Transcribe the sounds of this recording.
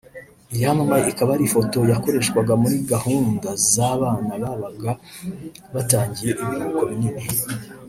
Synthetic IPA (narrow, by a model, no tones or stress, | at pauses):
ijamamajeikaβaɾifo̞to̞jako̞ɾe̞ʃkwaɡamuɾiɡahuːndazaβaːnaβaβaɡa | βataːɲɟije̞ʔiβiɾokoβɲine